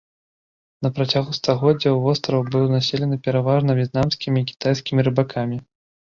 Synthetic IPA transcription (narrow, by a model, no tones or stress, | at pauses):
nɐpɾat͡sʲaɣust̪aɣɔd͡zʲːɐwvɔst̪ɾɐwbɨlˠnasʲɛlʲɛnɨpʲɛɾavaʐnɐvʲjɛt̪̚namsʲkʲimʲiːkʲi̥t̪ajsʲkʲimʲiɾɨbakʰamʲi